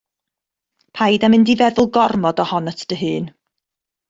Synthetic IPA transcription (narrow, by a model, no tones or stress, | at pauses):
pʰajdamɪndivɛðʊlˠɡɔrmɔdɔhɔnətʰd̥əɦɨːn